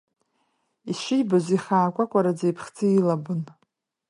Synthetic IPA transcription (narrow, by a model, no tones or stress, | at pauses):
iʃʷɪjbazʷiχaːkʷʼakʷʼaɾad͡zajpʰχt͡sʰɨilabɨn